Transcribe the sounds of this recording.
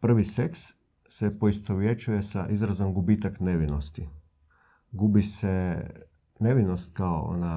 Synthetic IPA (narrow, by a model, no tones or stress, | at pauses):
pr̩ʋise̞ksː | epo̞ist̪oʋjet͡ʃuje̞saʔizɾazo̞mɡubiːt̪akne̞ʋinost̪i | ɡubise | ne̞ʋinost̪̚kao̰o̰na